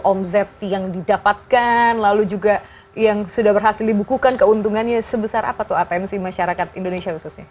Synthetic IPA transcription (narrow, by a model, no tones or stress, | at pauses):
ʔɔmzɛt̪̚jaŋdidapat̪̚kanlalud͡ʒuɡa | jaŋsudahbərɦasɪldibukukankəunt̪uŋanɲasəbəsaɾʔa̰pat̪ʊhat̪ɛnsimaʃaɾakat̪indonesiahususɲa